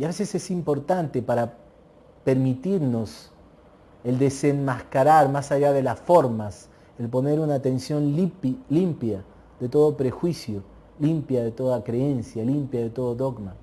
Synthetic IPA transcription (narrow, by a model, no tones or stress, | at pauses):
jaβesese̞simpo̞ɾt̪ant̪e̞paɾa | pe̞ɾmit̪iɾno̞s | eld̪e̞senmaskaɾaɾmasaʝaðe̞lasfo̞ɾmas | elpo̞ne̞ɾunaːt̪e̞nsjo̞nlimpja | ðe̞t̪o̞ðopɾe̞xwisjo | limpjaðe̞t̪o̞ðakɾee̞nsjalimpjaðet̪o̞ðoðo̞ɡma